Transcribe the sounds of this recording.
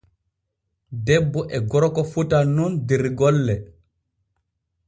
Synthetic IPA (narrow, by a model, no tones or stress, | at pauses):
dɛbːɔʔɛɡɔɾɔkɔfutanundiɾɡɔlːɛ